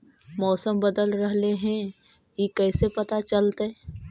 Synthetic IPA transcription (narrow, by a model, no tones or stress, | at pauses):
mɔːsəmbɐd̪əlɾɐɦleɦɛ̃ | jekɛːsepɐt̪at͡ʃɐlt̪ɛ